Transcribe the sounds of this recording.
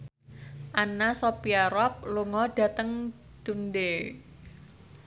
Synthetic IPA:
ʔanasopiaɾɔp̚luŋɔɖ̥a̤t̪əŋ | d̪̥unde

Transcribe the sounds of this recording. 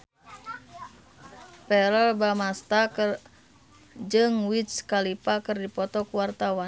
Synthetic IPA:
pɛɾəlbamast̪akr | d͡ʒɨŋwit̪skalipakɨrdipɔt̪ɔkuwart̪awan

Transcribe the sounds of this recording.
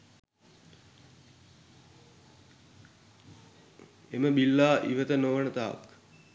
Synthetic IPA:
eməbilːaːʔḭʋət̪ənoʋənət̪aɐ̰k

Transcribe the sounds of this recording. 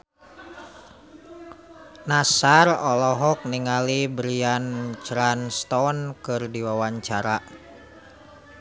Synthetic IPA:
nasarɔlɔɦɔk̚niŋalibɾiant͡ʃɾanst̪ɔnkɨrdiwawaɲt͡ʃaɾa

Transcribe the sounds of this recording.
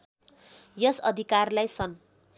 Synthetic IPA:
jʌsʌd̪ʱikarlajsʌn

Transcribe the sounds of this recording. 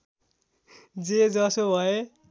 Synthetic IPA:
d͡zed͡zʌsobʱʌe

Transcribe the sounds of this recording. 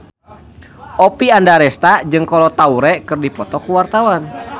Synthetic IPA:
ʔɔpiandaɾɛst̪ad͡ʒɨŋkɔlɔt̪auɾɛkɨrdipɔt̪ɔkuwart̪awan

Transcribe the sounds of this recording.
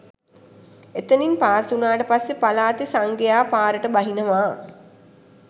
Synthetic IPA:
et̪əninpaːsunaːʈəpasːepalaːt̪esaŋɡejaːpaːɾəʈəbaɦinəʋaː

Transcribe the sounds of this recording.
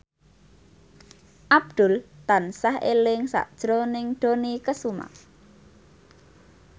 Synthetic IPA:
ʔab̚d̪̥ʊlt̪ansahḛlɪŋsa̰ʔd̥ʒ̥ɾonɪŋɖ̪̥o̤nikəsuma̰

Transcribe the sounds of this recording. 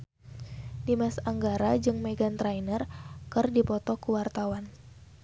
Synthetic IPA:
dimasaŋɡaɾad͡ʒɨŋmɛɡant̪ɾajnərkɨrdipɔt̪ɔkuwart̪awan

